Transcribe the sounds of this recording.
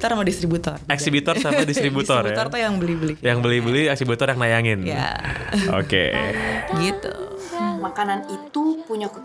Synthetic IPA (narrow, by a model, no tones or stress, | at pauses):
t̪ɔrmadist̪ɾibut̪ɔrɛksibit̪ɔrsamadist̪ɾibut̪ɔrj̪ɔt̪ujaŋbəlihbəlijaŋbəlibəliɛksibut̪ɔrjaŋnajaŋɪnja̰o̰kḛɡit̪ṵmakananit̪upuɲak